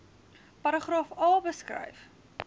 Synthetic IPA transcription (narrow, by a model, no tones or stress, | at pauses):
pɐɾəχrɑːfɑːlˠbəskrɐ̰jf